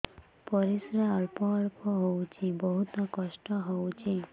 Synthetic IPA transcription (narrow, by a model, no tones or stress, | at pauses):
pɔɾisɾaaɭpɔːɭpɔɦowt͡ʃʰibɔɦut̪ɔkɔʃʈɔɦowt͡ʃʰi